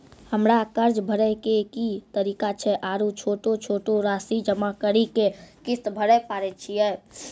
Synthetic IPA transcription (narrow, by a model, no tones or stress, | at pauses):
həmɾakəɾd͡ʒbʱəɾɛkekit̪əɾiːkat͡ʃʰɛʔaːɾut͡ʃʰoːʈot͡ʃʰoːʈoɾaːsid͡ʒəmakəɾikekɪst̪bʱəɾɛpaːɾɛt͡ʃʰijɛː